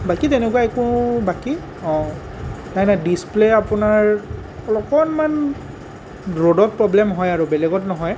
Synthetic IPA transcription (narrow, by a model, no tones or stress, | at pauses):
bakitɛnɛkuwaɛkʊbaki | ɔ̃ | najnadispleapʊnaɹ | ɔlɔkɔnman | dɹodɔt̚pɹɔblɛmɦɔjaɹʊbɛlɛɡɔtnɔɦɔj